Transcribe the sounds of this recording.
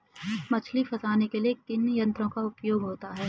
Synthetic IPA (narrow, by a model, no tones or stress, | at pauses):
mɐt͡ʃʰlifʰɐsaːnekelijet̪ɪnjɐ̃nt̪ɾõkaʊpjoːɡɦoːt̪aɦɛː